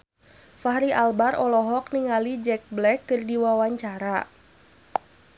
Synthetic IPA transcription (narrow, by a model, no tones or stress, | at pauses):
fahɾiʔalbarɔlɔɦɔk̚niŋalid͡ʒɛk̚blɛkːɨrdiwawaɲt͡ʃaɾa